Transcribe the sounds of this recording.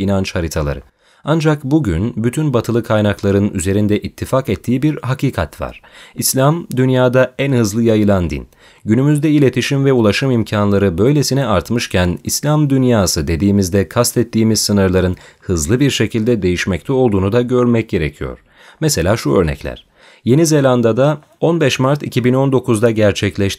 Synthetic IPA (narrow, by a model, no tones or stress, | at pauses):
inant͡ʃhaɾit̪ʰalˠa̰ɾɯ | and͡ʒakbuɟynbyt̪ʰynbat̪ʰɯlˠɯkʰajnaklˠaɾɯnyze̞ɾind̪ɛʔit̪ʰːifakɛt̪ʰːiːbiɾhakʰiːkʰat̪va̰ɾ̥islʲamd̪ynjaːd̪aænhɯzlˠɯjajɯlˠand̪ḭn | ɟynymyzd̪ɛilʲe̞t̪ʰiʃimvɛulˠaʃɯmimcʰanlˠaɾɯbø̞jlʲe̞sinɛaɾt̪mɯʃcʰænislʲamd̪ynjaːsɯd̪e̞d̪iːmizd̪ɛkʰast̪ɛt̪ʰːiːmizsɯnɯɾlˠaɾɯnhɯzlˠɯbiɾʃe̞cʰilʲd̪ɛd̪e̞jiʃmɛc̚t̪ʰɛo̞lˠd̪uːnud̪aɟø̞ɾmɛc̚ɟe̞ɾḛcʰijo̞̰ɾ̥ | mɛse̞lʲaːʃuø̞̰ɾnɛ̰cʰlʲæ̰ɾ̥ | je̞nize̞lʲand̪ad̪a | o̞nbɛʃmaɾt̪icʰibino̞nd̪o̞kuzd̪aɟæɾt͡ʃʰɛclʲɛʃt̪i